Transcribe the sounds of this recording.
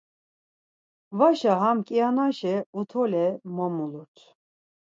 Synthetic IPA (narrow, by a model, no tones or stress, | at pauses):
vaʃaɦamkʼianaʃɛut̪ʰɔlɛmɔmuluɾt̪ʰ